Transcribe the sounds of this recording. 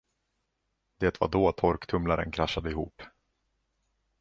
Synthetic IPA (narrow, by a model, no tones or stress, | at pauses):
d̪̥eːt̪va̰ɖɔt̪ʰɔɾkt̪ʰɵmlaɾə̰nkʰɾaʃːad̪əɪɦṵːp